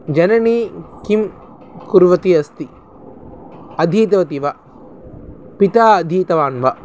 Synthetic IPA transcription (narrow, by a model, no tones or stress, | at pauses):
d͡ʒɐnɐniːkim | kuɾʋɐt̪iɐst̪i | ɐd̪ʱiːt̪ɐʋɐt̪iʋɐ | pit̪aːɐd̪ʱiːt̪ɐʋaːnʋɐ